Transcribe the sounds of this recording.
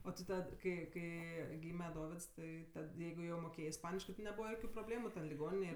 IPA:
oː tʲɪ ˈtɐt kɐɪ ˈkɐɪ ˈɡʲiːmʲɛ ˈdoːʋʲɪts ˈtɐɪ tɐt ˈjɛɪɡʊ jɛʊ moːˈkʲeːjeː ɪsˈpɑːnʲɪʃkɜ tʲɪ nʲɛˈbuːʋɐ ˈjoːkʲʊ proːbʲˈlʲeːmʊ tʲɛn lʲɪˈɡoːnʲɪnʲeːj

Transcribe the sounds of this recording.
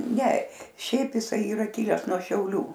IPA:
nʲɛ ˈʃʲɛɪp jɪˈsɐɪ iːˈrɐ ˈkʲɪlʲɛs nuɔ ʃʲɛʊˈlʲuː

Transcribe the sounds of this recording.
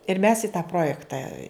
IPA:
ɪr mʲɛs ɪ tɑː ˈproːjɛktɐ

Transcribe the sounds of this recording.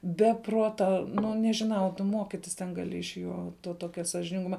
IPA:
bʲɛ ˈpruɔtɐ ˈnʊ nʲɛʒʲɪˈnɐʊ tʊ ˈmoːkʲɪtʲɪs tʲɛn ɡɐˈlʲɪ ɪʃ ˈjoː toː ˈtoːkʲɛ sɐʒʲɪnʲɪŋˈɡʊmɐ

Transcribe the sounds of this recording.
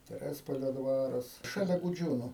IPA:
tʲɛˈrʲæːspoːlʲoː ˈdʋɑːrɐs ʃɐˈlʲɛ ɡʊˈd͡ʒʲuːnʊ

